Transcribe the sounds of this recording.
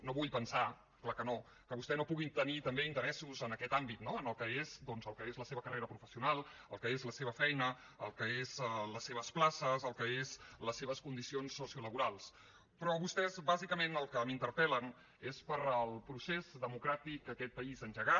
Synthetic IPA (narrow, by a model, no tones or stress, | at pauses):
noβuʎpənsa | klakəno | kəβust̪ɛnopuɣit̪ənit̪əmbeint̪əɾɛsuzənəkɛt̪ambit̪noənəlˠkəezd̪ɔnzəlˠkəezləseβəkərʔeɾəpɾufəsiunalˠəlˠkəezləseβəfɛjnə | əlˠkəezələseβ̞əsplasəzəlˠkəezləsːeβ̞əskund̪isionsːosiuləβuɾalˠs | pɾɔβust̪ɛzbazikəmenəlˠkəmint̪əɾpɛlən | espəɾəlˠpɾusezdəmukɾat̪ik̚əkɛt̪̚pəizənʒəɣa